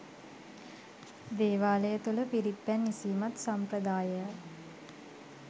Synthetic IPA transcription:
d̪eːʋaːləjət̪uləpiɾipːænːisiːmat̪sampɾəd̪aːjə

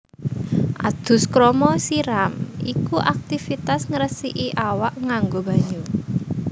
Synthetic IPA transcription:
ʔa̰d̪̥ʊ̤skɾɔmɔsiɾamikuʔak̚t̪ifit̪asŋəɾəsiʔiʔawaʔŋaŋɡob̥a̤ɲu

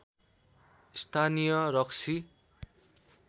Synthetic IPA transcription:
st̪ʰanijʌɾʌksʰi

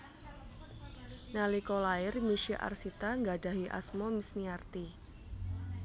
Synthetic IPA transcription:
nalikolaɪrmiʃiʔa̰rsit̪aŋɡada̤ɦiʔa̰smɔmisniart̪i

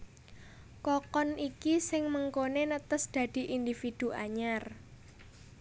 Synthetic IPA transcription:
kɔkɔnʔikisɪŋməŋkonenət̪əsd̪̥ä̤d̪̥i̤ʔind̪ifid̪̥uʔaɲar

